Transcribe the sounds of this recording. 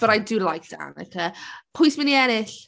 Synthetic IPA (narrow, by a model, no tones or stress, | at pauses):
b̥əɾajdɨːlajk̚d̥a̰nə̰kʰəpʰʊjsmɪniɛnɪɬ